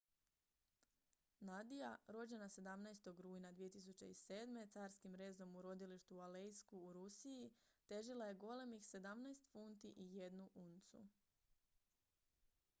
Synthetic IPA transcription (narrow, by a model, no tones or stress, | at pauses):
nad̪ijaɾo̞d͡ʑe̞nase̞d̪amnajst̪o̞ɡɾuːjnad̪ʋije̞t̪is̬ut͡ɕe̞̰ise̞ːd̪me̞t̪saːɾskimɾe̞ːzo̞muɾo̞d̪iliʃt̪ualejskuːɾusijit̪e̞ʒilˠaje̞ɡo̞le̞mixse̞d̪amnajst̪funt̪iʔije̞d̪nuʔunt̪sṵ